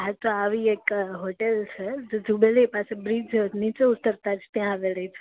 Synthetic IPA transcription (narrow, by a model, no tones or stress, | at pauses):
ɦat̪oaʋiekɦoːʈelt͡ʃʰɛd͡ʒd͡ʒubelepasebɾiːd͡ʒnit͡ʃoʊt̪ːəɾt̪ad͡ʒʰt̪jãʋeɾəit͡ʃʰ